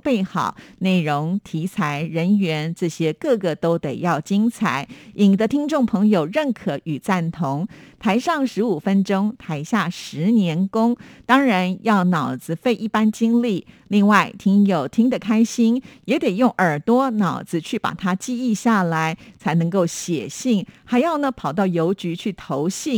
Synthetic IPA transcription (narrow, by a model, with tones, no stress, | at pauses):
pe˥˩ɪxɑ̰˨˩˦ʊne˥˩ɪɻʊ˧˥ŋt̪ʰi˧˥t͡sʰa˧˥ɪɻə˧˥nɥɛ˧˥nt͡sɹ̩˥˩ɕjɛ˥kɤ˥˩ɡə˩t̪o˥ʊt̪e˨˩ɪjɑ˥˩ʊt͡ɕi˥ŋt͡sʰa˩˦ɪi˨˩ŋd̪ə˧˦t̪ʰi˥ŋʈ͡ʂʊ˥˩ŋpʰɤ˧˥ŋjo˨˩ʊɻə˥˩nkʰɤ˨˩˦y˨˩t͡sa˥˩nt̪ʰʊ˧˥ŋt̪ʰa˧˥ɪʂɑ˥˩ŋʂɻ̩˧˥u˨˩fə˥nʈ͡ʂʊ˥ŋt̪ʰa˧˥ɪɕja˥˩ʂɻ̩˧˥njɛ˧˥nkʊ˥ŋt̪ɑ˥ŋɻa˧˥njɑ˥˩ʊnɑ˨˩ʊd͡zɹ̩˧˦fe˥˧ɪʔi˥˩pa˥nt͡ɕi˥ŋli˥˩li˥˧ŋwa˥˩ɪt̪ʰi˧˥ŋjo˨˩ʊt̪ʰi˥ŋd̪ə˨kʰa˥ɪɕi˥njɛ˧˥t̪e˨˩ɪjʊ˥˩ŋʔə˞˨˩t̪wɔ˥nɑ˨˩ʊd͡zɹ̩˧˦t͡ɕʰy˥˩pa̰˨˩t̪ʰa˥t͡ɕi˥˧i˥˧ɕja˥˩la˧˥ɪt͡sʰa˧˥ɪnɤ˧˥ŋko˥˩ʊɕjɛ̰˨˩ɕi˥˩ŋxa˧˥ɪjɑ˥˩ʊnə˧˩pʰɑ˨˩ʊt̪ɑ˥˩ʊjo˧˥ʊt͡ɕy˧˥t͡ɕʰy˥˩t̪ʰo˧˥ʊɕi˥˩ŋ